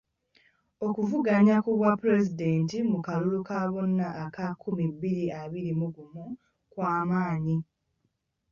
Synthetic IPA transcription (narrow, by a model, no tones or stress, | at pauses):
o̞kuvuɡaɲakuβwapːuɾe̞zide̞ːntimukalulukaβonːaʔːkakʰːumibːiɾiaβiɾimuɡumu | kwaːmaːɲi